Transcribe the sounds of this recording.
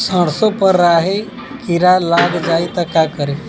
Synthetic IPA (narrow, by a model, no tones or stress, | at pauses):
səɽsopəɾːaɦe | kiɾalaɡd͡ʒajt̪əkakəɾe